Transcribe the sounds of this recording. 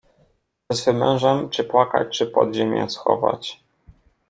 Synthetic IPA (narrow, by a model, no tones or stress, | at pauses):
ɛsvɘmɛ̃w̃ʐɛmt͡ʂɘpwaka̰t͡ɕt͡ʂɘpɔd̪ʑemʲjɛ̰̃sxɔ̰va̰t͡ɕ